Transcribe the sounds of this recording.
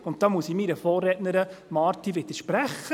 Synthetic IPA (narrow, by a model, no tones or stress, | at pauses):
ʊnttːɑːmuəsimiɾəfɔːrɛtnəɾəmɑːɾtiʋɪd̥̪əɾʃpɾæχːə